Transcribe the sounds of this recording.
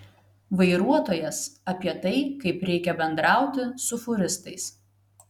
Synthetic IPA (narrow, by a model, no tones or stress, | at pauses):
ʋɐɪɾuɔt̪oːjɛsɐpʲiɛt̪ɐɪkɐɪpɾʲɛɪkʲɛbʲɛnd̪ɾɑˑʊt̪ʲɪsʊfʊɾʲɪst̪ɐɪs